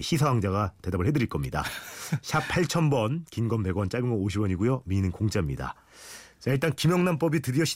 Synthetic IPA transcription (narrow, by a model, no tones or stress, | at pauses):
ɕʰisʰawaŋd͡ʑaɣate̞dabɯɭhedɯɾiɭk͈ʌmɲida̰ɕʰapʰaɭt͡ɕʰʌnbʌnkinɡʌnpe̞ɡwʌnt͡ɕ͈aɭɡɯŋɡʌnoɕʰibwʌɲiɡujominɯnkoŋt͡ɕ͈amɲida̰ | t͡ɕ͈aiɭt͈ankimjʌŋnanp͈ʌbitɯɾiʌɕʰi